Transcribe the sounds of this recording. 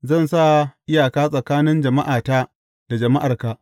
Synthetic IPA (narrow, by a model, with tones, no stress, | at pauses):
zɐ˦˨nsa˦˨ʔɪ˦jaː˨kaː˦sʼɐ˨kaː˦nɪ˦nd͡ʒɐ˨ma˦ʔaː˨taː˦ | d̥a˨d͡ʒɐ˨ma˦ʔa˨rka˨ʔ